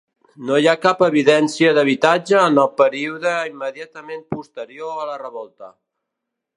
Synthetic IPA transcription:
nojakapəβiðɛnsiəðəβ̞it̪ad͡ʒəːnəlˠpəɾiuðəimːəðiat̪əmempust̪əɾioələrəβɔlˠt̪ə

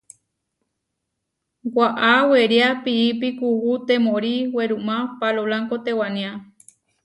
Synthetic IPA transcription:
waʔaweɾjapiipikuhut̪ẽmõɾiweɾũmãpalolaŋkot̪ewanĩã

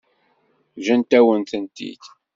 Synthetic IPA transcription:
ʒənt̪æwənt̪ənt̪ḭd̪

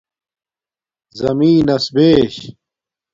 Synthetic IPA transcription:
zɐmiːnɐsbeːɕ

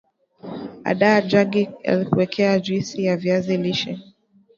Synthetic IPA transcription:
a̰ɗad͡ʒaɡija̰likuwɛkʰɛad͡ʒisijaviaziliʃɛ

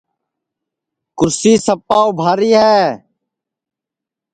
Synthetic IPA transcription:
kʊɾsiːsəpaːoːbʱaːɾiːɦɛː

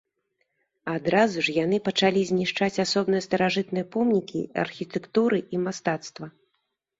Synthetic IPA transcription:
ad̪ɾazuʐjan̪ɨpɐt͡ʂalʲizʲnʲiʂt͡ʂat͡sʲasɔbnɨjɐst̪ɐɾaʐɨt̪nɨjɐpɔmnʲikʲḭɐ̰rxʲit̪ɛkt̪uɾɨʔimast̪at̪st̪vɐ

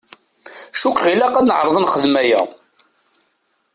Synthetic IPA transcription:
ʃukʁilæqænəʕɾˤəðˤənχəðmæjæ̰

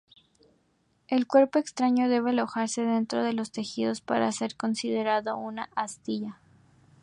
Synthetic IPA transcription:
e̞lkwe̞ɾpo̞ekst̪ɾaɲo̞ðe̞β̞ealo̞xaɾse̞ðe̞nt̪ɾo̞ð̞e̞lo̞st̪e̞xið̞o̞spaɾa̰se̞ɾko̞nsiðe̞ɾaðounaʔast̪iʝa

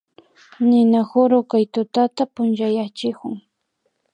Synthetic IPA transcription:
nɪnaxʊɾʊkajt̪ʊt̪at̪apʊnʒajat͡ʃɪkʊŋ

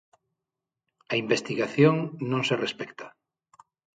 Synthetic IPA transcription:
aimbest̪iɣaθjoŋnõŋserespɛkt̪ḁ

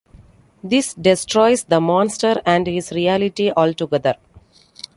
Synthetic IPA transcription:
d̪ɪsɖɪsʈɾɔɪsd̪əmɔ̃ːnsʈəɾæ̃ɳɖhɪzɾiælɪʈiʔɔːlʈuɡɛd̪əɾ

